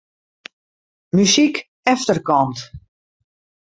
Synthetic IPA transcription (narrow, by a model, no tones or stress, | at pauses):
mysik | ɛftərkɔnt